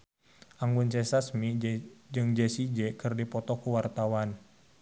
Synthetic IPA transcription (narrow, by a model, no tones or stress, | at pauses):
ʔaŋɡunsɛsasmid͡ʒɨŋd͡ʒɛsid͡ʒɛkɨrdipɔt̪ɔkuwart̪awan